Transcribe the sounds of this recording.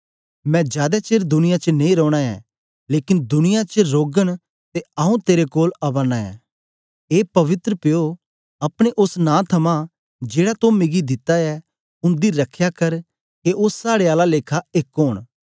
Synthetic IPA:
mɛ̃ːd͡ʒjaːd̪ɛt͡ʃeːɾd̪ʊnɪjat͡ʃənẽĩɾɔːɽ̃aɛ̰ː | leːkɪnd̪ʊnɪjat͡ʃəɾoːɡəɽ̃ | t̪eɐũt̪eːɾekoːlɐbənːaːɛ̰̃ː | eːpɐʋɪt̪ɾəpɪjo | ɐpɽ̃eʔʊsnãːt̪ʰɐmã | d͡ʒeːɽat̪õmɪɡid̪ɪt̪ːaɛ | ʊ̃nd̪iɾɐkʰjakɐɾ | keʔʊsːaːɽeaːlaleːkʰaekɦoːɽ̃

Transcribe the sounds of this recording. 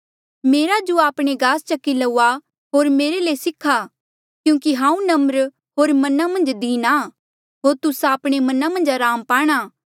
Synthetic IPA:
meːɾad͡ʒoaːpɽ̃eɡaːst͡ʃɐkːilɐuːa | ɦoːɾmeːɾelesɪkʰːa | kjũːkiɦãːũnɐməɾ | ɦoːɾmɐnamɐ̃nd͡ʒd̪iːna | ɦoːɾt̪ʊsaːpɽ̃emɐnamɐ̃nd͡ʒaɾaːmpaːɽ̃aː

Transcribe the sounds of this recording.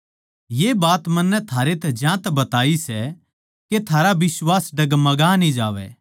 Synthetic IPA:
jeːbaːt̪mɐ̃nːɛt̪ʰaːɾet̪ɛd͡ʒjãːt̪ɛbɐt̪aːisɛ | ket̪ʰaːɾabɪswaːsɖɐɡmɐɡanĩd͡ʒaːʋɛ̰ː

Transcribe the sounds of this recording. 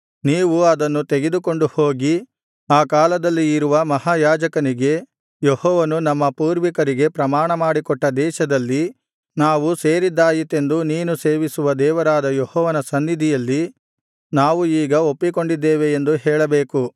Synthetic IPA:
niːʋuɐd̪ɐnːut̪eɡed̪uko̞ɳɖuho̞ːɡi | aːkaːlɐd̪ɐlːiːɾuʋɐmɐɦaːjaːd͡ʒɐkɐniɡe̞ | jehɔːʋɐnunɐmːɐpuːɾʋikɐɾiɡe̞pɾɐmaːɳɐmaːɽikɔʈːɐd̪ɛːʃɐd̪ɐlːi | naːʋuse̞ːɾid̪ːaːjit̪ːe̞nd̪uniːnuse̞ːʋisuʋɐd̪ɛːʋɐɾaːd̪ɐjɔhɔːʋɐnɐsɐnːid̪ʱijɐlːi | naːʋuiːɡɐo̞pːiko̞ɳɖid̪ːeːʋeːnd̪uɦɛːɭɐbeːku

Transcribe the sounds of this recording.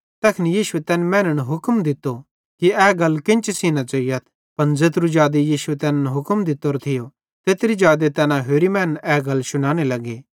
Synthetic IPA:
t̪ɛːkʰnijiːʃuet̪ɛːnmɛ̃ːnəñɦʊkmd̪ɪt̪ːo | kiɛːɡɐlkɪ̃nt͡ʃsiːnat͡ʃɐijət̪ʰ | pɐnd͡zeːt̪ɾud͡ʒaːd̪ejiːʃuet̪ɛːnənɦʊkmd̪ɪt̪ːoːɾt̪ʰɪjo | t̪eːt̪ɾid͡ʒaːd̪et̪ɛːnãɦeːɾimɛ̃ːnənɛːɡɐlsʊɽ̃aːñelɐɡeː

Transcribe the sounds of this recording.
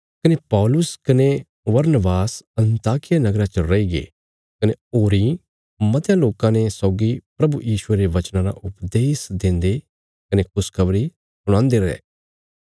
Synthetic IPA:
kɐnepɔːlʊskɐne | ʋɐɾnəbaːsɐ̃nt̪aːkɪjanɐɡɾãt͡ʃəɾɐiɡḛː | kɐneoːɾi | mɐt̪jãloːkãnesɔːɡipɾɐbujiːʃʊeɾeʋɐt͡ʃnãɾa̰ʔʊpd̪eːsd̪ɪ̃nd̪e | kɐnekʊskɐbɾi | sʊɽ̃ãːnd̪eɾɐɛ̰ː

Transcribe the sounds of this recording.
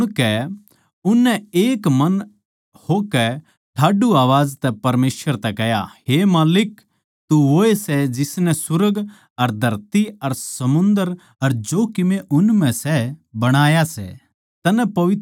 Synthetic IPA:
ɽ̃kɛ | ʊnːɛeːkmɐn | hokɛ | ʈʰaːɖuaːʋaːd͡ʒt̪ɛpɐɾmeːsʋəɾt̪ɛkɛɦja̰ɦeːmaːlɪk | t̪uɦoːesɛd͡ʒɪsnɛ̃sʊɾəɡ | ɐɾd̪ʱɐɾt̪iɐɾsɐmʊ̃nd̪əɾ | ɐɾd͡ʒoːkɪmeʔʊnmɛ̃sɛbɐɽ̃aːjasɛ̰ | t̪ɐnɛpɐʋɪt̪

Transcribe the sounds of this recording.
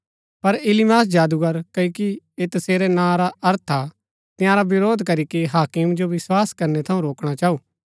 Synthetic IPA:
pɐɾɪlimaːs̬d͡ʒaːd̪uɡɐɾkɐiki | eːt̪ɐseːɾenãːɾaɐɾt̪ʰa | t̪ɪ̃jãːɾabɪɾoːd̪ʱkɐɾikiɦaːkɪmd͡ʒoʋɪswaːskɐɾnɛt̪ʰɐũɾoːkɽ̃at͡ʃaːuː

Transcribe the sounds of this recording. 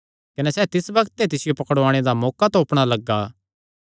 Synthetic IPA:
kɐnɛsɛːt̪ɪsbɐɡt̪et̪ɪsɪjopɐkəɽoaːɽ̃ed̪amɔːkat̪õːpɽ̃alɐɡːaː

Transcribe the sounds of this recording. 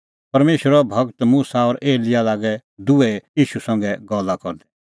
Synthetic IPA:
pɐɾmeːʃəɾɔbʱɐɡt̪muːsaɔːɾʔeːlɪjalaːɡɛd̪ʊɛjiːʃusɐ̃ŋɡɛɡɔlːakɔɾd̪ɛ̥

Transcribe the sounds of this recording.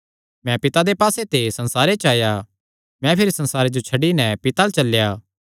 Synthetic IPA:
mɛ̃pɪt̪ad̪epaːset̪esɐ̃nsaːɾet͡ʃaːja | mɛ̃pʰɪɾisɐ̃nsaːɾed͡ʒot͡ʃʰɐɖinɛ̃pɪt̪alt͡ʃɐlːjaː

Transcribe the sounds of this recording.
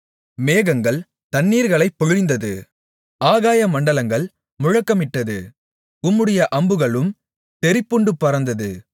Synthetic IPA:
meːɣɐŋɡɐɭ | t̪ɐnːiːɾɣɐɭɐɪpːɔɻɪɪnd̪ɐðɯ | ʔaːɣaːjɐmɐɳɖɐlɐŋɡɐɭ | mʊɻɐkːɐmɪʈːɐðɯ | ʊmːɯɽɐjɐʔɐmbɯɣɐɭɯm | t̪ɛɾɪpːɯɳɖɯpːɐɾɐnd̪ɐðɯ

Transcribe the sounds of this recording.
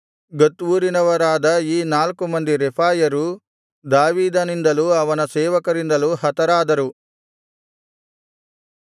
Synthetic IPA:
ɡot̪ːʋuːɾinɐʋɐɾaːd̪ɐiːnaːlkumɐnd̪iɾepʰaːjɐɾu | d̪aːʋiːd̪ɐnind̪ɐluɐʋɐnɐsɛːʋɐkɐɾind̪ɐluɦɐt̪ɐɾaːd̪ɐɾu

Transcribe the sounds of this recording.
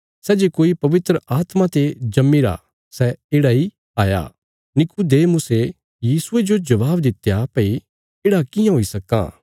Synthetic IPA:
sɛd͡ʒekoːipɐʋɪt̪ɾəaːt̪mãt̪ed͡ʒɐmːiɾa̰ | sɛeːɽai | aːja̰ | nɪkud̪eːmʊse | jiːsʊed͡ʒod͡ʒɐʋaːbd̪ɪt̪ːjapɐi | eːɽakɪjãɦoːisɐka̰ː

